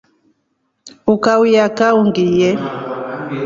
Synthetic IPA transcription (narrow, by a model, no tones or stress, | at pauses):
ukawujakauŋɡijɛ